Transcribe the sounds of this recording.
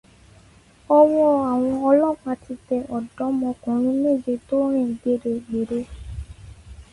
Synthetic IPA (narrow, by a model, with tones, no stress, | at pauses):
ɔ˧wɔ̃˧a˨w̃ɔ̃˧ɔ˧lɔ˦˨k͡pa˧ti˧tɛ˧ʔɔ˨dɔ˨˦mɔ̃˧kɔ̃˨˦ɾ̃ĩ˦me˦˨d͡ʒe˧˨to˦ɾ̃ẽ˦˨ɡe˨˦˨ɾe˧ɡ͡be˨ɾe˦